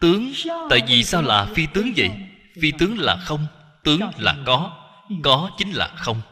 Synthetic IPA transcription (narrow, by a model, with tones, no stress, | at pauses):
t̪ɨ˨˦əŋt̪a̰ː˧˨jvi˨˩saː˧wlaː˨˩fi˧t̪ɨ˨˦əŋvə̰˧˨j | fi˧t̪ɨ˨˦əŋlaː˨˩xə˧wŋ͡m | t̪ɨ˨˦əŋ˩la̰ː˨˩kɔ˨˦ | kɔ˨˦t͡ɕï˨˦ŋ̟la̰ː˨˩xə˧wŋ͡m